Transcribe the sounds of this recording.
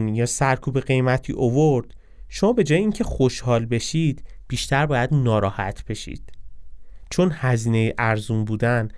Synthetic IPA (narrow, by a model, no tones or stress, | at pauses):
nijɒːsæɾkʰuːbe̞ɢe̞jmæt̪ʰḭːʔovoɾd̪̥ | ʃo̞mɒːbe̞d͡ʒɒːjeiːŋcʰe̞xoʃhɒːlbe̞ʃiːd̪̥b̥iːʃt̪ʰæɾbɒːjæd̪nɒːɾɒːhæ̰t̪ʰb̥e̞ʃḭd̪̥ | t͡ʃʰo̞nhæziːne̞jeʔæɾzunbuːd̪æn